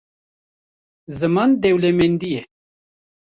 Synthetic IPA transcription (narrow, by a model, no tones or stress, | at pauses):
zɨmand̪ɛwlɛmend̪ijɛ